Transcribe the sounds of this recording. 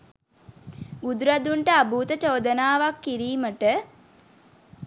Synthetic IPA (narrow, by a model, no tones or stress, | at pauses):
ɡud̪uɾad̪uɳʈəabuːt̪ət͡ʃoːd̪ənaːʋakːiɾiːməʈə